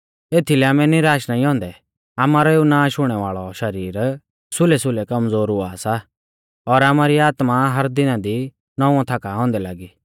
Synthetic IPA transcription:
eːt̪ʰilɛaːmɛnɪɾaːʃnaĩɦɔ̃ːnd̪ɛ | aːmaːɾɔeunãːʃʊɽ̃ɛʋaːɭɔʃɐɾiːɾ | sʊlɛsʊlɛkɐmzd͡zoːɾʊaːsa | ɔɾaːmaɾiaːt̪maɦɐɾd̪ɪnãd̪i | nɔ̃ːãt̪ʰaːkaɦɔ̃ːnd̪ɛlaːɡi

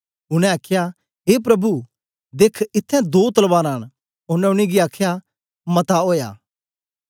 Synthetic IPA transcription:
ʊñɛ̃aːkʰja | ɦeːp̬ɾɐbu | d̪eːkʰɪt̪ʰːɛ̃d̪oːt̪ɐlbaːɾaːɽ̃ | ʊnɛ̃ʊɽ̃iɡiaːkʰja | mɐt̪aoːja̰ː

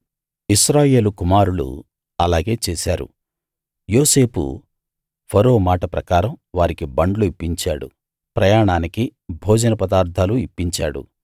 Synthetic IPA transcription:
iʃɾaːje̞ːlukumaːɾulṵ | ɐlaːɡe̞ːt͡ʃeːsaːɾṵ | jo̞ːse̞ːpṵ | pʰɐɾo̞ːmaːʈɐpɾɐkaːɾɐmʋaːɾikibɐɳɖluipːiɲt͡ʃaːɽṵ | pɾɐjaːɳaːnikibʱoːd͡ʒɐnɐpɐd̪aːɾd̪ʱaːluipːiɲt͡ʃaːɽṵ

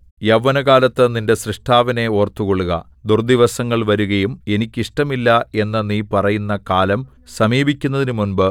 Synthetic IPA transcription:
jɐʋːɐnɐɣaːlɐt̪ːɨninde̞srɨʂʈʰaːʋɐne̞o̞ːrt̪ːuɣoɭːuɣɐ̰ | d̪urd̪iʋɐsɐŋːɐɭʋɐɾuɣɐjume̞nikʲːiʂʈɐmilːɐe̞nːɐniːpɐrɐjunːɐkaːlɐm | sɐmiːbikʲːunːɐðinumunbɨ

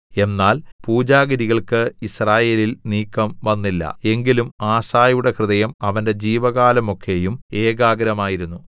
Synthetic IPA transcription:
e̞nːaːlpuːd͡ʑaːɡɐɾiɣɐɭkɨisraːje̞ːlilniːkːɐmʋɐnːilːɐ̰e̞ŋɡilumaːsaːjuɽe̞krɨðɐjɐmɐʋɐnde̞d͡ʑiːʋɐɣaːlɐmo̞kʰːe̞jume̞ːɡaːɡɐɾɐmaːjiɾunːu

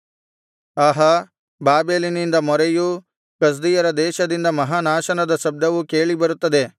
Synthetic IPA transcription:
aːɦɐ | baːbeːlinind̪ɐmɔɾeju | kɐs̬d̪ijɐɾɐd̪ɛːʃɐd̪ind̪ɐmɐɦaːnaːʃɐnɐd̪ɐsɐb̚d̪ɐʋuke̞ːɭibɐɾut̪ːɐd̪e̞

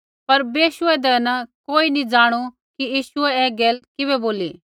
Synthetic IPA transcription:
pɐɾbeːʃʊɛd̪ɛnɐkoːinid͡zaːɽ̃u | kijiːʃʊɛɛːɡɛːlkɪβɛboːlḭː

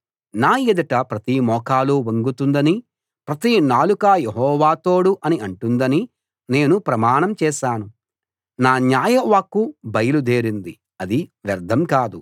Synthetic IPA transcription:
naːjed̪ɐʈɐpɾɐt̪imɔːkaːloːʋɐŋɡut̪und̪ɐni | pɾɐt̪inaːlukaːjeɦɔːʋaːt̪o̞ːɽuʔɐniɐɳʈund̪ɐni | ne̞ːnupɾɐmaːɳɐmt͡ʃɛːʃaːnu | naːnjaːjɐʋaːkːubɐjɐlud̪e̞ːɾind̪i | ɐd̪iʋjɐɾd̪ʱɐmkaːd̪u

